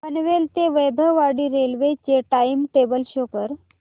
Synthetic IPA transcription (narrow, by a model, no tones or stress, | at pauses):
pənʋelt̪eʋejb̪ʱəʋaɽiɾelʋet͡ɕeʈaimʈebəlʃokəɾ